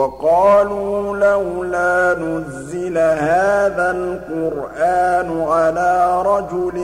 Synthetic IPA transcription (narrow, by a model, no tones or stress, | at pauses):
ɑqɑːluːlahʊlaːnʊzːɪlahaːðalqʊɾʔaːnʊʕalaːɾˤɑd͡ʒʊl